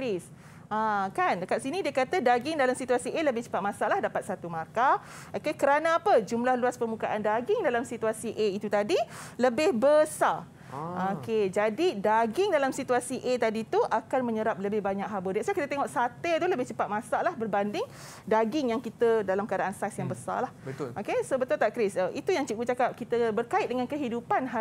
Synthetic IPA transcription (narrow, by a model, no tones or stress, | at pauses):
ɾis | akankaʔsinidiəkat̪ədaɡɪŋdalamsit̪uasiʔeləbɪht͡ʃə̥pat̪̚mãsalahdapat̪̚sat̪umarka | ʔokekəɾanaapəd͡ʒumlahluaspərmukaʔandaɡɪŋdalamsit̪uasiʔeit̪ut̪adiləbɪhbəsa | oked͡ʒadidaɡɪŋdalamsit̪uasiʔet̪adit̪uʔakanmə̃ɲəɾap̚ləbɪhbaɲakɦabədaʔsakit̪ət̪eŋɔʔsat̪et̪uləbɪht͡ʃəpat̪̚mãsalahbərbandɪŋ | daɡɪŋjaŋkit̪ədalamkadaʔansasjaŋbəsa̰lahbət̪ʔokesobət̪ʊlt̪aʔkɾɪsəʔit̪ujaŋt͡ʃiɡut͡ʃakap̚kit̪əbərkaɪt̪̚dəŋankəɦidupanɦa